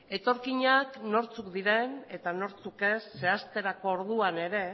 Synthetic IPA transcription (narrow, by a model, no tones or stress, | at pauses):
e̞t̪o̞ɾkiɲakno̞ɾt͡suk̚d̪iɾe̞ne̞t̪ano̞ɾt͡suke̞sːe̞ast̪e̞ɾako̞ːɾðuane̞ɾe̞